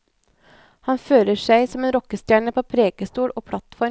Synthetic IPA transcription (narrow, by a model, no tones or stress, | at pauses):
hɑnføːɾəʃæɪsɔmeːnɾɔkəst̪jæːɳəpʰoːpʰɾeːɡ̥əst̪uːɽʔoːpʰɽɑt̪fɔ